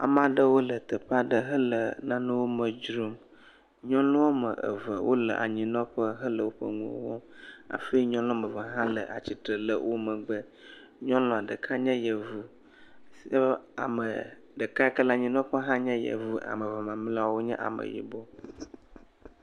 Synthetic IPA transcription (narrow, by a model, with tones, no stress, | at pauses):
a̰˨m˦ã˨ɖə˦wo˦lə˨t̪ə˨ɸa˨ɖə˨ɦə˦lə˨nã˦nə̃˦wo˦mə˨d͡ʒɾu˦m | ɲɔ̃˦lɔ̃˦wo˦mə̰˨ʔə̰˨və˨wʔo̰˦lə̰˨ʔa̰˨ɲĩ˨nɔ̃˦ɸə˦ɦə˦lə˨wo˦ɸə̰˦ŋṵ̃˦o̰˦wɔ˦a̰˨fe˦ɲɔ̃˦lɔ̃˦mə˨və˨ɦã˦lə˨ʔa˨t͡ɕi˨t̪ɾə˨lə˨wʔo˦mə̃˨ɡ͡bə˦ | ɲɔ̃˦lɔ̃˨a˨ɖə˨kʰa˦ɲɛ̃˦jə˨vu˦ | sa̰˨mə˨ | ɖə˨ka˦kə˦la˨ɲĩ˨nɔ̃˦ɸə˦ɦã˦ɲɛ̃˦jə̰˨vu˦ʔa̰˨mə˨və˨mã˨m˦la˦wo˦ɲɛ̰̃˦ʔa̰˨mə̰˨jḭ˨bɔ˦